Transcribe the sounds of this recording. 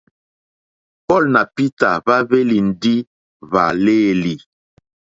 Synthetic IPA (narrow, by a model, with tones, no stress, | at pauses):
pɔ˦˨lna˨pi˦ta˨ba˦βe˦li˨n̩˨di˦ | va̰˨le˦˨li˨